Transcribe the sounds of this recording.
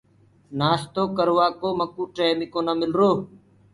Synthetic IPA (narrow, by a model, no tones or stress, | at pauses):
naːst̪oːkəɾʋaːkoːməkuːʈeːmiːkõːnaːmɪlɾoː